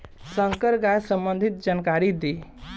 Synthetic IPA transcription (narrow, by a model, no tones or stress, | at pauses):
sə̃ŋkəɾɡajsəmbənd̪ʱit̪̚d͡ʒankaɾid̪e